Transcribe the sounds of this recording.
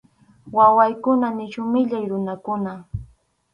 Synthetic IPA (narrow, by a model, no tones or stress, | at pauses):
wawajkʊnanɪt͡ʃʊmɪʎajɾʊnakʊna